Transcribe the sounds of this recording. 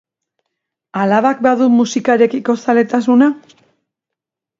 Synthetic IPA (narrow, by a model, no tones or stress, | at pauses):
alaβak̚baðumusikaɾe̞kiko̞sale̞t̪asuna